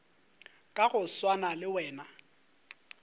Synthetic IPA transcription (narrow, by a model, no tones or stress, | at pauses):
kʼaɣʊswanalɪwɛːna